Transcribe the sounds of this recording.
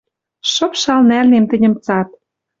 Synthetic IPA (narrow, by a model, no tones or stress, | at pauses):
ʃɤ̆pʃɑlnælnemt̪ɘ̆nʲə̆mt͡sɑt̪̚